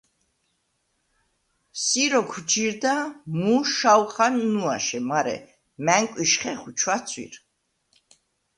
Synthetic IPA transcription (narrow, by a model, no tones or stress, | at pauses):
siɾɔkʰwd͡ʒiɾd̪amuʃawχanːuaʃɛmaɾɛ̰ | mæŋkʼwiʃχɛχut͡ʃʰwat̪sʰwḭɾ